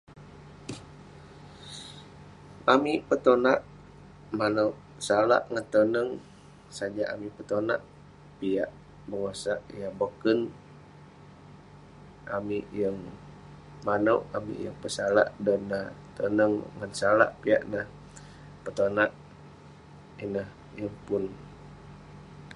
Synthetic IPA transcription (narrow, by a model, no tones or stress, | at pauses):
amipət̪onaʔ | manəwʔ | sala̰ʔŋant̪ənəŋ | sad͡ʒaʔa̰mipət̪ona̰ʔ | piaʔ | bərasaʔjabokən | ʔamiʔjəŋ | manəwʔamḭjəŋpəsala̰ʔdɔnːət̪ənəŋːansala̰ʔpia̰ʔnəh | pət̪onaʔ | inəh | jəŋpʊn